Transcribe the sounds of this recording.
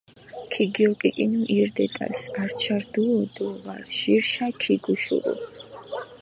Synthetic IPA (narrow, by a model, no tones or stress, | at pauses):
kʰiɡiɔkʼikʼinuʔiɾd̪ɛt̪ʼa̰lsaɾt͡ʃʰaɾd̪uɔd̪ɔva̰ɾʃiɾʃakʰiɡuʃṵɾṵ